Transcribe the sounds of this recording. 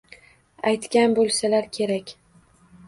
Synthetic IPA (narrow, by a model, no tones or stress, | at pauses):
ajt̪kʲanbolˠsalaɾkʲʰe̞ɾakʲ